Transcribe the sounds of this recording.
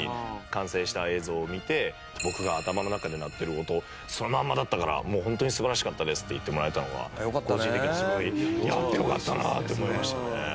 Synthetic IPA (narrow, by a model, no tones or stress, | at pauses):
ḭkãɰ̃se̞ːɕi̥t̪ae̞ːzo̞ːmʲit̪e̞ | bo̞kɯ̟ɡaːt̪amano̞nakad̪e̞nat̪ːe̞ɾɯ̟o̞t̪o̞ | so̞nomamːad̪at̪ːakaɾa̰mo̞ːɦõnt̪o̞ɲ̟isɨbaɾaɕi̥kat̪ːad̪e̞sɨ̥t̪ːe̞it̪ːe̞mo̞ɾae̞t̪ano̞βa̰jokkoːɕĩnt̪ekiɲɲasioɾʲijat̪ːejo̞kat̪ːana̰t̪ːeomo̞imaɕt̪ane